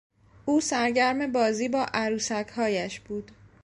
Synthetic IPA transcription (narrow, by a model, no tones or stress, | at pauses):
ʔuːsæɾɟæɾme̞bɒːziːbɒːʔæɾuːsækhɒːjæʃb̥uːd̪̥